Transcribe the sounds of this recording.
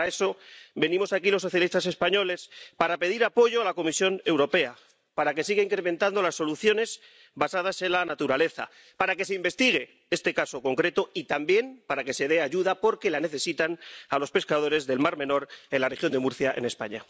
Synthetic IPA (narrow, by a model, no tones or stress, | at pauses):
ae̞so̞be̞nĩmo̞sakilo̞sːo̞θjalist̪ase̞spaɲo̞le̞spaɾape̞ðiɾapo̞ʝo̞alako̞misjo̞ne̞wɾo̞pe̞a | paɾake̞siɣ̞aiŋkɾe̞mẽ̞nt̪and̪o̞lasːo̞luθjo̞ne̞z | basað̞ase̞nlanat̪uɾale̞θa̰ | paɾake̞se̞imbe̞st̪iɣe̞ | e̞st̪e̞kaso̞ko̞ŋkɾe̞t̪o̞it̪ambje̞mpaɾake̞se̞ð̞e̞aʝuðapo̞ɾke̞lane̞θe̞sit̪analo̞spe̞skaðo̞ɾe̞zðe̞lmaɾme̞no̞ɾe̞nlare̞xjo̞nd̪emuɾθjaʔe̞̰ne̞spa̰ɲa